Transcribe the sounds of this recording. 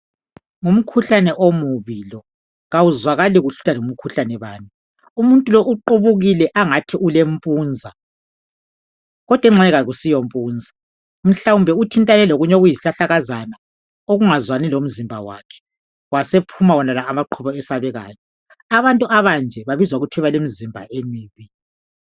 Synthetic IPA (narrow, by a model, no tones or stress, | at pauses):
ŋum̩kʰuɬanɛʔomuβilɔ | ɣawuzwaɣaliɣuɬu̥talum̩kʰuɬanɛβaːni | umuntʼulɔʔuǃuβuɣilɛʔaŋatʰiʔulem̩pʼuːnd͡zʱa | ɣɔd̥ʱwɛŋ͡ǁɛɣaɣusijompʼuːnd͡zʱa | m̩ɬawumbʱɛutʰintʼanɛloɣuɲoɣujiziɬaɬaɣazana | oɣuŋazwanilom̩zimbʱa̰wa̰kʰɛ̥ | wasepʰumawɔnalaːmaǃʰuβɔɛsaβɛɣa̰ːjɔ | aβantʼuʔaβand͡ʒʱɛβaβizwaɣutʰɛβalemizimbʱa̰ʔemiːβi